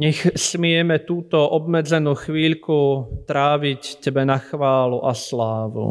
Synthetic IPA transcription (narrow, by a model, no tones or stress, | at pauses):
ɲɛxsmɪɛmɛt̪uːt̪ɔʔɔbmɛd͡zɛnuːxʋiːʎkut̪ɾaːʋiccɛbɛnaxʋaːluʔaslaːʋṵ